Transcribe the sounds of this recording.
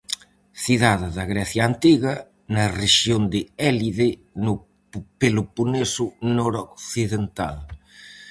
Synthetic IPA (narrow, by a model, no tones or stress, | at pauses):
θiðaðɪðɐɣɾɛθjaːnt̪iɣɐ | nɐreʃjond̪ɪɛliðenʊ | pelʊpunesʊnɔɾokθiðent̪a̰l